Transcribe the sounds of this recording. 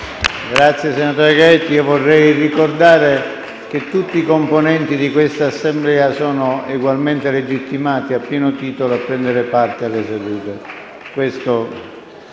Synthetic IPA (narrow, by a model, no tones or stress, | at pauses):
ɡɾat̪sːjesenat̪ɔːɾjokaɛt̪ːiovɔrːɛjrikord̪aːɾe | k̟et̪ːut̪ːiːkomponɛnt̪id̪ikwest̪aːsːemblɛːasɔːnoeɡwalment̪eled͡ʒit̪ːimaːt̪iapːjɛːnot̪iːt̪oloapːɾɛnd̪eɾepart̪ealːesed̪uːt̪e | kwest̪o